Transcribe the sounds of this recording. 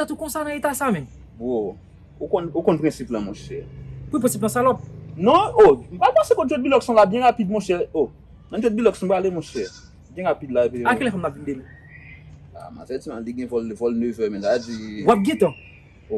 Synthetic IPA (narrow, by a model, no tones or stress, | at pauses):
tat̪ukɔ̃sanãet̪asamɛ̃n | bɔ̃ | okɔ̃nokɔ̃npʁɛ̃siplamɔ̃ʃɛʁkwipɛ̃siblãsalɔp̚nɔ̃omapãsekɔ̃tɛt̚bilɔɡsɔ̃labjɛ̃ʁapid̪̚mɔ̃ʃɛo | nɔ̃ɛt̪̚bilɔksɔ̃balemɔ̃ʃɛʁ | bjɛ̃ʁapid̪laepieakɛlɛ̃fɔ̃mnapvĩndeli | a̰ma̰sɛtimãliɡɛ̃vɔlvɔlnøvɛmɛ̃zad͡ziwap̚ɡɛ̃t̪ã | o